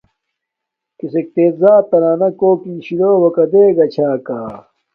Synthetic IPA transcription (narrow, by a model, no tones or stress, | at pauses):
kisek̚t̪eːt̪zaːt̪ɐɾaːnɐkoːkĩːɕiloːwɐkɐd̪eːɡɐt͡ɕʰaːkaː